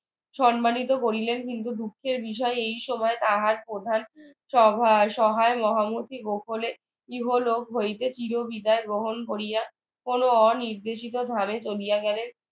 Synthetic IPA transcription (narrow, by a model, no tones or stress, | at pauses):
ʃɔnmanit̪okoɾilenkint̪ud̪ukʰːeɾbiʃ̬ɔeejʃɔmɔet̪aɦaɾpɾod̪ʱan | ʃɔbʱʃɔɦaemɔɦamut̪ʰiɡokʰole | iɦolokɦojt̪et͡ɕiɾobid̪aeɡɾoɦonkoɾija | konoɔniɾd̪eʃit̪od̪ʱamet͡ɕolijaɡɛle